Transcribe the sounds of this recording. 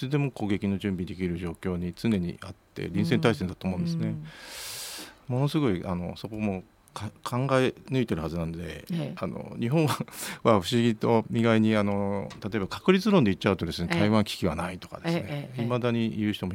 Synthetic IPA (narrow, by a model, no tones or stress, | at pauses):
t͡sɨd̪e̞mo̞koɡe̞kʲino̞ʑɨ̃mbʲid̪e̞kʲiɾɯ̟ʑo̞ːkʲo̞ːɲ̟it͡sɨne̞ɲ̟ḭʔat̪ːe̞̰ɾʲĩɰ̃sent̪aisend̪at̪oːmo̞ɯ̃nd̪esɨne | mo̞no̞sɨɡo̞iʔano̞so̞ko̞mo̞ | kkʰãŋɡaenɯ̟it̪e̞ɾɯ̟hazɨnãnod̪e̞̰ano̞̰ɲiɦõɰ̃aβaɸɯ̟ɕiɡʲit̪o̞mʲiɡaiɲ̟iano̞t̪at̪o̞ebakḁkɯ̟ɾʲit͡sɨɾõ̞nd̪e̞it̚t͡ɕːaɯ̟t̪o̞d̪e̞sɨne̞t̪aiβãŋkʲi̥kʲiβanait̪o̞̥ka̰d̪e̥sɨneimad̪aɲ̟ijɯ̟ːç̥it̪omo